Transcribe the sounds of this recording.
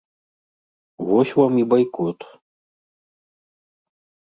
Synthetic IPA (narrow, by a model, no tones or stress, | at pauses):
vɔsʲvamibajkɔt̪